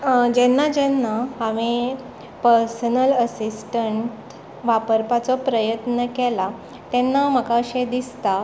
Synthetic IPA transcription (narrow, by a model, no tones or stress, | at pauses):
d͡ʑɛnːad͡ʑɛnːaɦaʋe | pəɾsənələsisʈəɳʈ | ʋapəɾpat͡sɔpɾəjət̪nəkɛla | t̪ɛnːam̤əkaəɕed̪ist̪a